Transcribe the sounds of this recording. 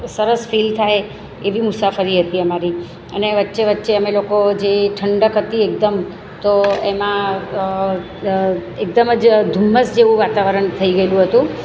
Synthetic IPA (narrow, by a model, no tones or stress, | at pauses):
səɾəsfilt̪ʰaj | eʋimʊsafəɾiɦət̪iəmaɾi | əneʋətːʃeʋətːʃeəmelokod͡ʒeʈʰəɳɖəkɦət̪iek̚d̪əm | t̪oemã | ek̚d̪əməd͡ʒd̪ʱumːəsd͡ʒeʋũʋat̪aʋəɾəɳt̪ʰəiɡəelũɦət̪ũ